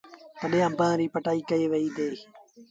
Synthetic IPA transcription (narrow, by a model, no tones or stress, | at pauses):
t̪əɗẽːə̃mbãːɾiːpəʈaːiːkəeːʋəiːd̪eː